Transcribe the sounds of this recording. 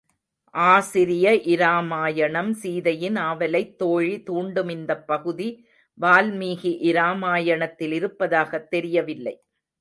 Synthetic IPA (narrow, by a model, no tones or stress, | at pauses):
ʔaːsɪɾɪjɐʔɪɾaːmaːjɐɳɐmsiːðɐjɪnaːʋɐlɐɪt̪ːoːɻit̪uːɳɖɯmɪnd̪ɐpːɐɣɯði | ʋaːlmiːɣiʔɪɾaːmaːjɐɳɐt̪ːɪlɪɾɯpːɐðaːɣɐt̪ːɛɾɪjɐʋɪlːɐ̰ɪ